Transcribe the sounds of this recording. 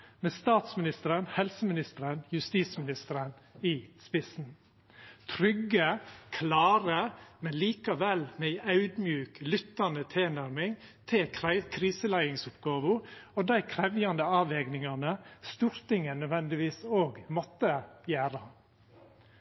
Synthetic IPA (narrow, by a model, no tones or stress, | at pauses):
mɛːst̪ɑːt̪smɪnɪst̪əɾənhɛlsəmɪnɪst̪əɾənjʉst̪iːsmɪnɪst̪əɾənɪspɪsn̩ | t̪ʰɾʏɡːəkʰlɑːɾəmɛnliːkɑʋɛlmæɪʔɑʉd̪mjʉːklʏt̪ːɑnət̪ʰɪːnæɾmɪŋt̪ʰɪkʰɾiːsəlæɪɪŋsʊpɡɑːʋʊɔd̪æɪkʰɾɛʋjɑnd̪əɑːʋɛːɡnɪŋɑnəst̪uːɾt̪ɪŋənœd̪ʋɛnd̪ɪʋiːsoːɡmɔt̪ːəjæːɾɑ